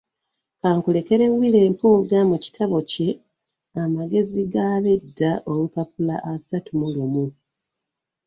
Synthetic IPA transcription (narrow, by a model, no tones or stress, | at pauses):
kaːŋkule̞ke̞ɾe̞wːile̞ːmpuːɡamuci̥tʰaβo̞ce̞ | amaɡe̞ziɡaβe̞dːaʔo̞lupap̚ulaʔasatumulumu